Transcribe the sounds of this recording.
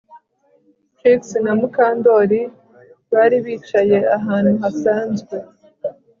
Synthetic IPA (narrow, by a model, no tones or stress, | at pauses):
kiksnamukaːndo̞ɾi | βaːɾiβiːt͡ʃaje̞aɦaːnhuɦasaːnzɡwe̞